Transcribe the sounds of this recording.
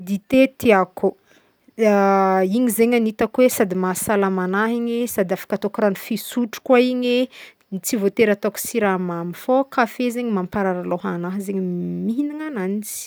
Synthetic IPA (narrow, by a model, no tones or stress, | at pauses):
d̪it̪et̪iako | aiɲizeɲanit̪akwesad̪imasalamanaɦiɲesad̪iafḁkat̪okuɾanifisuʈ͡ʂu̥kwaiɲe | nit͡sivot̪eɾat̪oksiɾamamifokafezeɲimampaɾaɾaloɦanaɦzeɲimiɦiniŋananit͡si̥i̥